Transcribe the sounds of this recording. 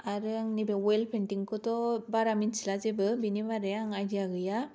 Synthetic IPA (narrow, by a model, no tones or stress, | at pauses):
aɾɯŋnibewelpʰenʈiŋkɯtɔbaɾaminslazebɯbinibaɾejaŋad͡ʒiaɡɯja